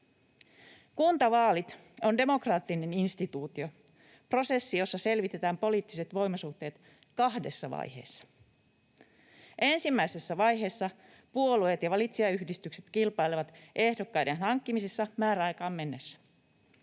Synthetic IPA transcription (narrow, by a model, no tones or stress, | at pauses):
kunt̪ɑʋɑːlit̪ | o̞nde̞mo̞krɑːt̪ːine̞ninst̪it̪uːt̪io̞ | pro̞se̞sːijo̞sːɑse̞lʋit̪e̞t̪æːmpo̞liːt̪ːise̞t̪ʋo̞jmɑsuht̪eːt̪ | kɑhde̞sːɑʋɑ̰jhe̞̰ːsːɑ̥ | ʔe̞nsimːæise̞sːæʋɑjɦe̞ːsːɑ | puo̞luet̪jɑʋɑlit̪siɑyhdist̪ykse̞t̪kilpɑjleʋɑt̪ʔe̞hdo̞kːɑjdenɦɑŋkːimisesːɑmæːɾæɑjkɑːmme̞nːesːæ̥